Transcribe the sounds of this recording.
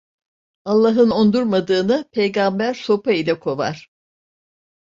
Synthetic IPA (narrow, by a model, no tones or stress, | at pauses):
alˠːaɦɯno̞nd̪uɾmad̪ɯːnɯpʰejɡambæɾso̞pʰailʲɛkʰo̞va̰ɾ̝̥